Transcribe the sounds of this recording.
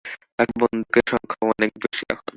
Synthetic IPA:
ɛkbond̪ʱukeʃɔŋkʰaɔnek̚beʃiɛ̰kʰon

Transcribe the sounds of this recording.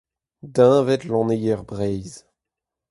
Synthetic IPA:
d̪ɛ̃vɛt̪lɑ̃nejɛʁbʁɛjz

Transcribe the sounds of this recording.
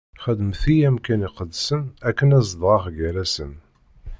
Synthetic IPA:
χəd̪əmθijæmkæniqəd̪ːsənækːənæzðʁɑχɡæɾæsən

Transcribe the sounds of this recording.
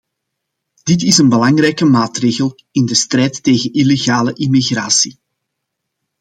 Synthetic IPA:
d̥ɪtɪsənbəlɑŋrɛjkəmaːtreːɣəlˠ | ɪndəstrɛːjtːeːɣənileɣaːləʔimiɣraːsi

